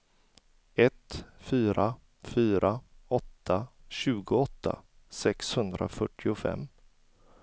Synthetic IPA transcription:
ɛt̪fyːɾʔa | fyːɾʔaɔt̪ːaɕʉ̟ːɡʊɔt̪ːa̰ | sɛkshɵnd̪ɾa̰fœʈʰːɪʊfɛ̰mː

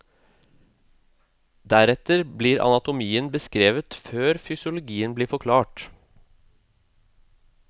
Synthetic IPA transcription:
d̪æɾɛt̪əɾbliːɾɑ̰nɑt̪ʊmiːənbəskɾeːʋət̪føːɾfʏsʊlʊɡiːənbliːfɔkʰlɑːʈ

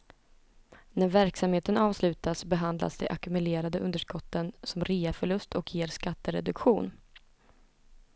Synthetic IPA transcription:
næɾvæɾksamheːt̪ənɑːvslʉ̟ːt̪asbɛɦand̪la̰sd̪ɛ̰ʔakɵmɵleːɾad̪əʔɵnd̪əʂkɔt̪ːənsɔmɾeːafœɭɵst̪ʰɔkjeːɾskat̪ːəɾɛ̰d̪ɵkɧuːn

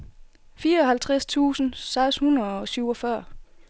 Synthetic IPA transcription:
fiːɐɒ̽ɦhælt͡sʰʁast͡sʰṵːsn̩sɑ̈ɪshunɐð̩ˠɒ̽syʊɒ̽fɶɐ̰

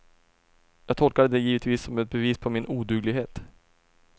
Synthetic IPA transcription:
jɑːɡ̚t̪ʰɔlkad̪əd̪ɛjiːvət̪viːsːɔmɛt̪̚bɛviːspʰɔmɪnʔuːd̪ʉːɡlɪɡɦeːt̪

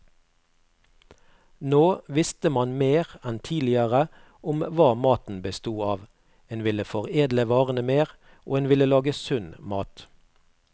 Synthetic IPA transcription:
noːʋɪst̪əmɑnmeːʁɛnt̪ʰiːlɪəʁə | ʊmʋɑːmɑːt̪n̩bəst̪uːɑːʋ | eːnʋɪləfɔʁeːd̪ləʋɑːʁənəmeːʁ | ʔo̰ːeːnʋɪləlɑːɡəsʉnmɑːt̪

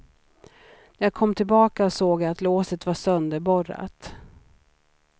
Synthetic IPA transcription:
næɾjaːkʰɔmːt̪ʰɪlbɑːkaɔsoːɡat̪loːsət̪vasœnd̪əɾbɔɾa̰t̪

